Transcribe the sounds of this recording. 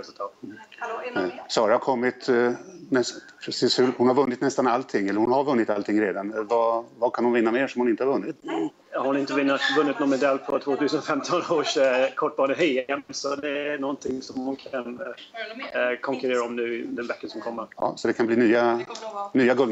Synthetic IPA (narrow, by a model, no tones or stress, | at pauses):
ɾɛslt̪ʰɑːt̪ | sɑːɾahaɾkʰɔmːɪt̪nɛspʰɾɛsiːshɵhʊnhaɾvɵnːɪt̪nɛst̪analt̪ʰɪŋːɛlːəɾhʊnhaɾvɵnːɪt̪alt̪ʰɪŋːɾeːd̪anvavakʰanhʊnvɪnːameːʂɔmhʊnɪnt̪əhaɾvɵnːɪt̪ | haɾʊnɪnt̪əvɪnːat̪vɵnːɪt̪nɔnmɛd̪ɛlːpʰɔt̪ʰvoːt̪ʰʉ̟ːsənfɛmt̪ʰɔnoːʂkʰɔʈ̚ːbɑːnəɦœjɛmnsɔd̪ɛæɳɔnt̪ʰɪŋsɔmhʊnkʰan | kʰɔŋkʉɾeːɾaɔmnʉ̟ːd̪ɛnbɛkːənsɔmkʰɔmːəɾɑ̰ːsɔd̪ɛkʰanbliːnyːanyːaɡɵl